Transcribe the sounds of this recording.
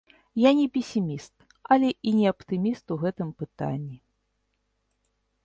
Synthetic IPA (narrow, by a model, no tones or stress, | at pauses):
janʲɛpʲɛsʲimʲist̪ | alʲɛʔinʲɛɐpt̪ɨmʲist̪uɣɛt̪ɨmpɨt̪a̰nʲːi